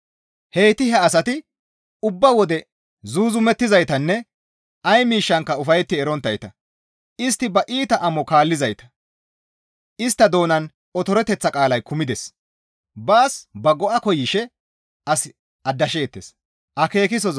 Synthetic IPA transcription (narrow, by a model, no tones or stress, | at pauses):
he̞ːt̪ɪhɛɐsɐt̪ɪ | ʊbːɐwɔd̪ɛ | zuːzʊmɛt̪ːɪzɐjt̪ɐnːɛ | ʔɐjmiːʃːɐŋkːɐʊfɐjt̪ːɪɛɾɔnt̪ːɐjt̪ɐ | ɪst̪ːɪbɐʔiːt̪ɐʔɐmɔkaːlːɪzɐjt̪ɐ̥ | ɪst̪ːɐd̪o̞ːnɐn | ɔt̪ɔɾɛt̪ɛt͡sːɐkʼaːlɐjkʊmɪd̪ɛs | baːsbɐɡɔʔɐkɔjɪʃɛ | ɐs | ɐd̪ːɐʃe̞ːt̪ːḛs | ʔɐke̞ːkɪs̬ɔ